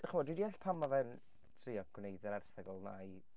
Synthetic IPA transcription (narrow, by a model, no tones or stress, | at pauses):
χəvɔdwidiɛɬpʰamɔvɛn | tʰriːɔɡ̥wnejdɛɾɛrθɛɡɔlˠnaj